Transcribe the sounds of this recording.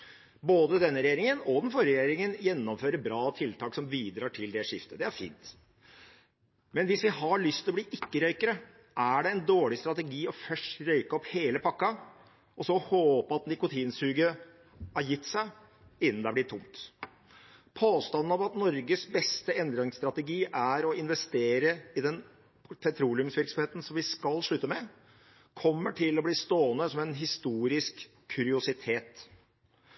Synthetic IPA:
boːd̪əd̪ɛnːəɾɛjeːɾɪŋənɔd̪ɛnfɔɾjəɾəɾɛjeːɾɪŋənjɛnːɔmføːɾəbɾɑːt̪ʰɪlt̪ʰɑːksɔmʋiːd̪ɾɑːʈʰɪld̪ɛʂɪft̪əd̪ɛæɾfḭːnt̪ | mɛnʋɪsʋɪhɑɭʏst̪ʰɪlɔbliːʔɪkːəɾœʏkəɾə | ʔæɖɛɛnd̪oːɭɪst̪ɾɑt̪ɛɡiːɔfœʂʈɾœʏkəɔpheːləpʰɑkːɑ | ɔsɔhoːpəɑt̪nɪkʊt̪ʰiːnsʉːɡə | hɑɾjɪt̪ːsæɪ | ɪnːənɛæblɪt̪ʰːʊ̰mt̪ | pʰoːst̪ɑnn̩ɑʋɑt̪nɔɾɡəsbɛst̪əɛnd̪ɾɪŋst̪ɾɑt̪ɛɡiːʔæɾɔɪnʋɛst̪eːɾəɪd̪ɛn | pʰɛt̪ʰɾuːlɪʉmsʋɪɾksɔmheːt̪n̩sɔmʋɪskɑlʂɭʉt̪ːəmɛ | kʰɔmːəʈʰɪlɔbliːst̪oːənəsɔmɛnɦɪst̪uːɾɪskʰː | ʉɾɪʊsɪt̪ʰeːt̪

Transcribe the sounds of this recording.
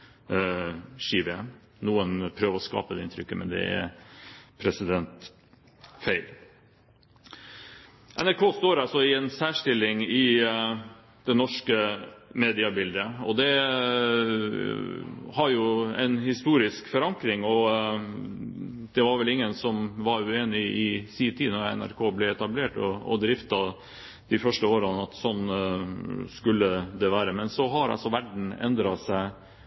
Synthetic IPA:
ʃiːbɛ | nuːənpʰɾøːʋəɔskɑ̰ːpəd̪ɛɪnt̪ʰɾʏkːəmʔɛ̰nd̪ɛ̰æ̰ɾpʰɾɛsɪd̪ɛnt̪ | feɪl | ʔɛnæɾkʰoːst̪oːɾɑlsɔɪɛnsæːʂʈɪlːɪŋɪ | d̪̥ɛnɔʂkəmeːd̪ɪɑbɪld̪əɔd̪ɛ | hɑɾjʊɛ̰ɪnhɪst̪uːɾɪskfɔɾɑŋkɾɪŋɔ | d̪̥ɛʋɑɾʋɛlɪŋːənsɔmʋɑɾʉeːnɪɪsiːt̪ʰiːd̪nɔɾɛ̰næ̰ɾkʰoːblɛɛt̪ɑbleːʈɔɔ̰d̪ɾɪft̪ɑ | d̪̥ɪfœʂʈəoːɾɑnɑt̪sɔnː | skʉlːəd̪ɛʋæːɾəmɛnsɔɦɑɾɑ̰lsɔʋæɖɳ̩ɛ̰nd̪ɾɑsæɪ

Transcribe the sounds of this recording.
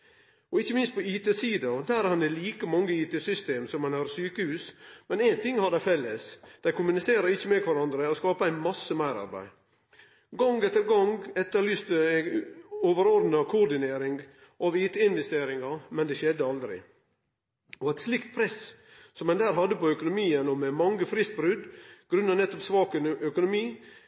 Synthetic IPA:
ɔɪçːəmɪnst̪̚pʰɔiːt̪eːsiːd̪ɑd̪æːɾhɑnɛliːkəmɑŋːəiːt̪eːsʏst̪eːmsɔmːɛnhɑɾsyːkəhʉːsmɛnæɪnt̪ʰɪŋːhɑd̪æɪfɛlːəsd̪̥æɪkʰʊmʉnɪseːɾəɾɪçːəmɛkʰʋɑɾɑnd̪ɾəɔskɑːpəæɪnmɑsːəmæɪɾɑ̰ɾbæ̰ɪ | ɡɑŋɡɛt̪ːəɾɡɑŋɛt̪ːəɾlyːst̪ə | oːʋəɾoɾd̪nɑkʰʊɾd̪ɪneːɾɪŋ | ʔɑʋiːt̪əɪnʋɛst̪eːɾɪŋɑmɛnd̪ɛʃɛd̪ːəɑld̪ɾɪ̰ | ɔɛt̪slɪkt̪̚pʰɾɛs | sɔmːɛnd̪æːɾɦɑd̪ːəpɔœkʊnʊmiːənɔmɛmɑŋːəfɾɪst̪̚bɾʉd̪ɡ̥ɾʉnːɑnɛt̪ːɔpsʋɑːkənœkʊnʊmiː

